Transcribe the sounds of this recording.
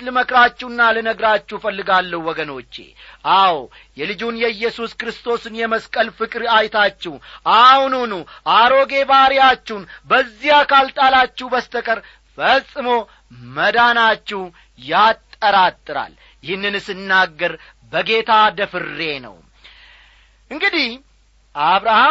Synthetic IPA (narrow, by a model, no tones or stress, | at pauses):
lɨməkɾat͡ʃːɛwnːalənəɡɾat͡ʃːɛfəlːɨɡalːəhwɔɡəno̞t͡ʃːe̞̰ʔaw | jɛlɨd͡ʒunjɛɨjːɛsuskɾɨst̪ʰo̞sɨnjɛməskʼəlfɨkʼɾajt̪ʰat͡ʃːɛwʔahnunuʔaɾo̞ɡe̞baɾijat͡ʃːɛwnbəzːijakalt̪ʼalat͡ʃːɛhbəst̪ʰəkʼəɾ | fəsʼɨmo̞ | məd̪anat͡ʃːɛh | jat̪ʼːəɾat̪ʼːɨɾa̰l | jɪhɨnːɨnsɨnːaɡːəɾ | bəɡe̞t̪ʰad̪əfɨɾːe̞nə̰w | ʔɨŋɡɨd̪ih | ʔaβɾaha